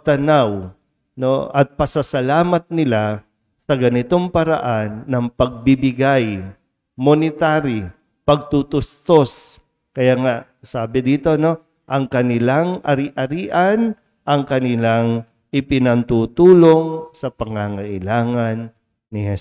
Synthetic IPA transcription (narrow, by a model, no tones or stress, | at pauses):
t̪ɐnaw | no̰ʔɐ̰t̪̚pɐsɐsɐlaːmɐt̪̚nɪla | sɐɡɐnɪt̪oŋpɐɾa̰ʔanːɐŋpɐɡ̚bɪbɪɡaj | monɪt̪aːɾi | pɐɡ̚t̪ut̪ʊst̪os | kɐjaːŋaʔ | saːbɪd̪iːt̪o̞no̞ | ʔɐŋkɐnɪlaŋɐɾiʔɐɾiːʔan | ʔɐŋkɐnɪlaŋ | ʔɪpɪnɐnt̪uːt̪uːloŋsɐpɐŋaŋɐʔɪlaːŋɐnː | ɪhɛ